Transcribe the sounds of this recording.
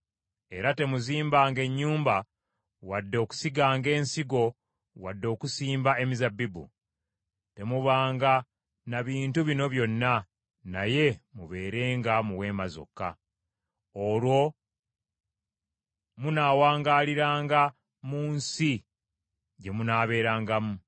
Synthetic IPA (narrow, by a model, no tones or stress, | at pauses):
e̞ɾate̞muziːmbaːŋɡe̞ɲːuːmba | wadːo̞ːku̥siɡaːŋɡe̞ːnsiɡo̞ | wadːo̞ːkusiːmbae̞mizabːibṵ | te̞muβaːŋɡa | naβiːntuβino̞βjo̞nːa | naje̞muβe̞ːɾe̞ːŋɡamuwe̞ːmazo̰kːa̰ | olwo̞ | munaːwaːŋɡaːliɾaːŋɡa | muːnsi | ɟe̞munaːβe̞ːɾaːŋɡamu